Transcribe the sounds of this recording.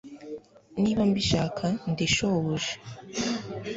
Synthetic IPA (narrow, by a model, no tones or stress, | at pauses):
niːβambiʃaːkʰandiʃoβoʒe̥